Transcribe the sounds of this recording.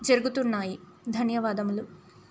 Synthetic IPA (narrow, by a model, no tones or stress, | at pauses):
d͡ʒɐɾuɡut̪unːaːji | d̪ʱɐnjɐʋaːd̪ɐmlu